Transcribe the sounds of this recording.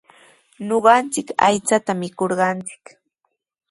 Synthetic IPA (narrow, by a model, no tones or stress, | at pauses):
noɢɑnt͡sɪka̰jt͡sat̪amɪkoɾɢɑnt͡sɪ̥k